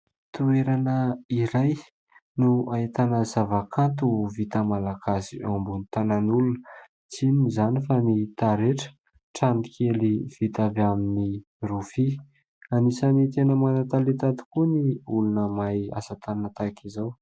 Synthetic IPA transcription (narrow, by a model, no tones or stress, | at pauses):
t̪ueɾanəiɾaj | nuaet̪anəzavakʰant̪̬uvit̪əmalakasiambunit̪ananulunə | t͡sinizanifanit̪aɾeʈ͡ʂə̥ | ʈ͡ʂanikʰeliv̥it̪avamini | rufi | anisanit̪enəmanat̪alet̪at̪u̥kuniulunəmaja̰sat̪annat̪akʰizaw